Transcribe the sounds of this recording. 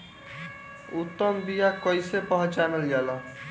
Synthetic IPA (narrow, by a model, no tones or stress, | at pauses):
ut̪ːʌmbijakʌjsepʌɦt͡ʃanʌljalʌ